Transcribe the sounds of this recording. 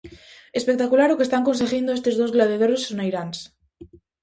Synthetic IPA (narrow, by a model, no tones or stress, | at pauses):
espe̞k̚t̪akulaɾokest̪aŋko̞ns̬eɣind̪oest̪e̞zðozɣlaðeðoɾesːonajɾans